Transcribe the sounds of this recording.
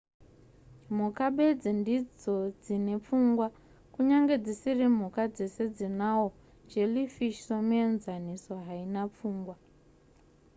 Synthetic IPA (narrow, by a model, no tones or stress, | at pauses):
m̤ukaɓe̞d͡zendid͡zo̞d͡zine̞p͡fuŋɡwa | kuɲaŋɡe̞d͡zisirim̤ukad͡ze̞se̞d͡zinawo | d͡ʒelifiʃsomenzaniso̞ɦainap͡fuːŋɡwa